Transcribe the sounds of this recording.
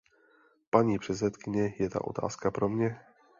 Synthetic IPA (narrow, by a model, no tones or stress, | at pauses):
paɲiːpr̝̥ɛt̪sɛt̪kɪɲɛjɛt̪a̰ʔo̞̰t̪a̰ːskapɾomɲɛ